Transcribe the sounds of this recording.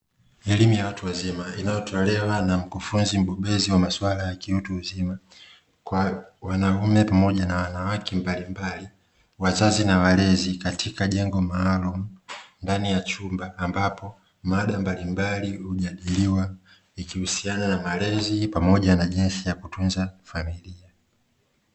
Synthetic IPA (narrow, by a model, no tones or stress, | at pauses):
ɛlimujawatuwazimainajɔtʰɔlɛwanam̩kufunzim̩ɓɔɓɛziwamaswalajakiutuzima | kwawanaumɛpamɔʄanawanawakʰɛmbalimbali | wazazinawalɛzikatʰikaʄɛŋɡɔmaːlumundanijat͡ʃumbaːmbapɔ | maɗambalimbalihuʄaɗiliwa | ikihusiananamalɛzipamɔʄanaʄinsijakutunzafamilia